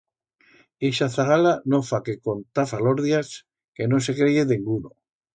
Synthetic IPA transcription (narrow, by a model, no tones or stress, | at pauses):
eʃaθaɣalanofakeko̞nt̪afaloɾðjas | ke̞no̞sekɾeʝeðeŋɡuno